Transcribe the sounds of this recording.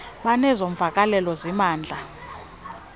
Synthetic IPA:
ɓanɛzoɱvʱakʼalɛlɔzimaːnd͡ɮʱa

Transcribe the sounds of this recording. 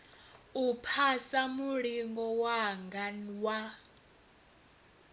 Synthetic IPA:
upʰasamuɺiŋɡɔwaŋɡanwa

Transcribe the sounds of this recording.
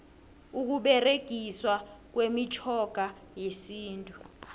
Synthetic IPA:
uk̬uɓɛreɡ̥ʱiswak̬wemit͡ʃʰʼɔɡ̥ʱa | jesiːntʼu

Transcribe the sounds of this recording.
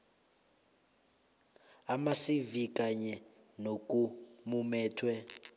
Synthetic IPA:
amasivikʼaɲɛ | nokʼumumɛːtʰwɛ

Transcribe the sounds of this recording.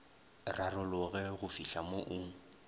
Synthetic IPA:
rarʊlʊɣɛɣʊfiɬamoʔʊŋ̩

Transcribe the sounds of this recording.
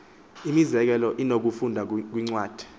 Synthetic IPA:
imizɛk̬ɛlɔʔinok̬ufundʱak̬wiŋ͡ǀwaːd̥ʱɛ̥

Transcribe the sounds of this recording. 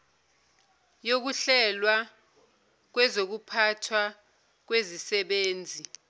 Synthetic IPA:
jok̬uɬɛlwa | k̬wɛzok̬upʰatʰwa | k̬wezisɛɓeːnd͡zʱi

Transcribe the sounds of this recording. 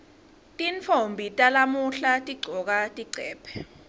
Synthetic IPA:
tʼint͡fʰombʱitʼalamuɬatʼiɡ͡ǀʱɔk̬atʼiɡ͡ǀʱɛːpʰɛ̥

